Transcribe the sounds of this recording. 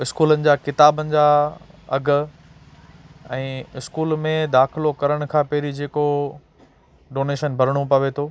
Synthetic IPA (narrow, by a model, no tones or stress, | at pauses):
ɪskuːlənɪ̆d͡ʑaːkɪt̪aːbənɪ̆d͡ʑaːɐ̰ɡʱʊ̆ | ɛ̃ːɪskuːlmẽd̪aːxɪlokɐɾəɽ̃kʰãːpeːɾid͡ʑeːko | ɖoːneːʃənbʱɐɾɽ̃opɐʋet̪ʰoː